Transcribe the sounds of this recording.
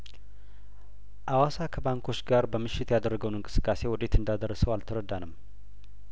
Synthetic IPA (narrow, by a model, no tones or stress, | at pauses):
ʔawasakʰəbaŋkʰo̞t͡ʃːɡaɾbəmɨʃːɪt̪jad̪əɾːəɡəwnɨŋkʼɨ̥sɨ̥kʼːase̞wɔt̪ʼe̞t̪ɨnd̪ad̪ərːəsəwalt̪ʰəɾəd̪anəmː